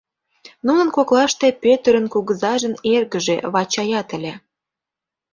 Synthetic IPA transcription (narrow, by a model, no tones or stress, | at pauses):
nunə̆nkoklɑʃt̪epøt̪əɾə̆nkuɣəzɑʒə̆nerɣəʒeβɑt͡ɕɑjɑt̪ə̆lʲe